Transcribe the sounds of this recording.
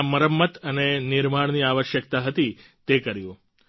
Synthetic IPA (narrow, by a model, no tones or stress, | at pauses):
məɾəmːət̪ənenɪɾmaɳ̃niaʋəʃjək̚t̪aɦət̪i | t̪ekəɾjũ